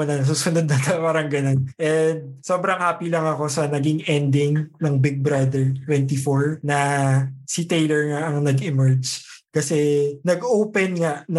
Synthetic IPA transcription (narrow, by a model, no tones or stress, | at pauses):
ɐnɐnɐs̬uːsʊnod̪̚nɐt̪ɐpaːɾɐŋɡɐnonʔɛnd̪̚so̞ːbɾɐŋhaːpilɐŋɐko̞sɐnɐɡɪŋʔɛnd̪ɪŋnɐŋbɪɡ̚bɾɐd̪ɛɹt̪wɛnt̪ifoɹnɐsit̪ejlɛɹŋaʔɐŋnɐɡɪmɛɹd͡ʒkɐsɛnɐɡʔoːpɛnŋaʔnɐ